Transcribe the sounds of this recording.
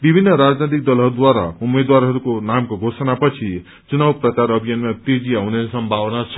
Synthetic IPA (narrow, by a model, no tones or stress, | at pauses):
bibʱinːʌɾad͡znet̪̬ik̚d̪ʌlɦʌɾud̪waɾa̰umed̪waɾɦʌɾukonamkoɡʱosʌnapʌt͡sʰi | t͡sunawprʌkaɾʌbʱijʌnmat̪ed͡ziawnesʌmbʱawnat͡sʰʌ̥